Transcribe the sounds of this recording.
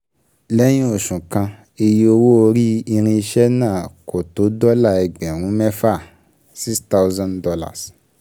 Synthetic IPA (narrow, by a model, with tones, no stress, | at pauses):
lɛ˦j̃ĩ˦o˨ʃũ˨kã˧ | e˧ji˧o˧wo˦o˧ɾi˦i˧ɾ̃ĩ˧i˧ʃɛ˦nãː˦˨ko˨to˨˦dɔ˦la˦˨ɛ˨ɡ͡bɛ̃˨ɾ̃ũ˨˦mɛ˦fa˦˨ | si˦sta˦wzã˦ndɔ˧la̰˦˨s